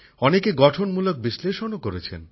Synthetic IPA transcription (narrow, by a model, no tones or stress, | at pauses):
ɔnekeɡɔʈʰonmulok̚biʃleʃonokoɾet͡ɕʰḛn